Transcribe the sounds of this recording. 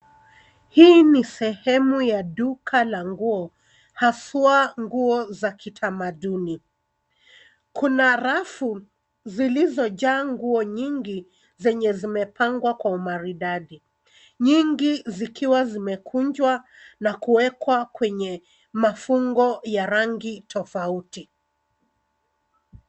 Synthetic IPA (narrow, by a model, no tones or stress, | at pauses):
hiːnisɛhɛmujaɗukʰalaŋɡuɔ | hasuaŋɡuɔzakitʰamaɗuni | kunaɾafu | zilizɔʄaːŋɡuɔɲiŋɡi | zɛɲɛzimɛpʰaŋɡwakwaumaɾiɗaɗi | ɲiŋɡizikʰiwazimɛkʰuɲd͡ʒwa | nakuwɛkwakwɛɲɛ | mafuŋɡɔjaɾaŋɡitʰɔfauti